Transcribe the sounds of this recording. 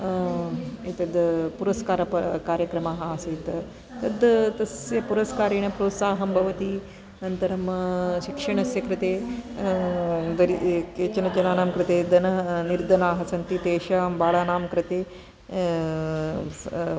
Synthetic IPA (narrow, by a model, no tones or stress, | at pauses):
it̪ɐd̪puɾɐskaːɾɐpɐkaːɾjɐkɾɐmaːɦasiːt̪ | t̪ɐd̪t̪ɐsjɐpuɾɐskaːɾiːɳɐpɾoːt̪saːɦɐmbʱɐʋɐt̪i | nɐnt̪ɐɾɐmʃikʂɐɳɐsjɐkɾɪt̪eː | d̪ɐɾikeːt͡ʃɐnɐd͡ʒɐnaːnaːmkɾɪt̪eːd̪ɐnɐniɾd̪ʱɐnaːɦɐsɐnt̪it̪eːʃaːmbaːɭaːnaːmkɾɪt̪eː